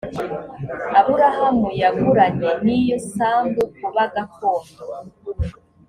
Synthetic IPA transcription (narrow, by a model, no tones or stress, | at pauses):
aβuɾahamujaɡuɾaɲenijosaːmɡukuβaɡakoːno